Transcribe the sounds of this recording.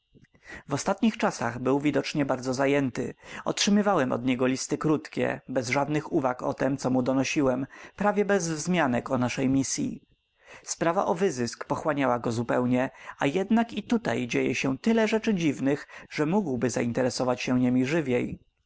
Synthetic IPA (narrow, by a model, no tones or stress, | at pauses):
vɔst̪at̪ɲixt͡ʂasa̰ɣbɘwvʲid̪ɔt͡ʂɲɛbaɾd̪zɔzajɛnt̪ɘ̰ɔ̰tʂɘmɘvawɛmʔɔ̰d̪ɲɛɡɔlʲist̪ɘkɾut̪kʲɛ̰bɛzʐad̪nɘxuvakɔ̰t̪ɛmt̪sɔmud̪ɔnɔɕiwɛmpɾavʲjɛbɛzzmʲjanɛkɔnaʂɛjmʲisʲjḭ | spɾava̰ʔɔvɘzɘskpɔxwaɲawaɡɔzupɛwɲɛʔajɛd̪nakit̪ut̪a̰jd͡ʑejɛ̰ɕɛt̪ɘlɛʐɛt͡ʂɘd͡ʑivnɘxʐɛmuɡwbɘza̰int̪ɛɾɛsɔvat͡ɕɕɛɲemʲiʐɘvʲjej